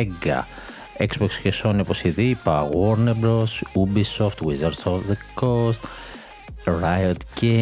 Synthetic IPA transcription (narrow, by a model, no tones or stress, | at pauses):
eɡɐ̰ | eksbokscesonoposiðipɐɣoɾnebɾosubisoft̪wizɐɾsofðekost̪ | ɾajot̪ce